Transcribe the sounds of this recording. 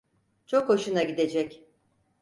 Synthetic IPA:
t͡ʃʰo̞kho̞ʃunaɟid̪e̞d͡ʒɛc

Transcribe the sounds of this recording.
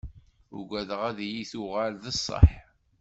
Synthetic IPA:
ʊ̰ɡʷæðəʁæðjiθuʁælðəsˤːə̰ħ

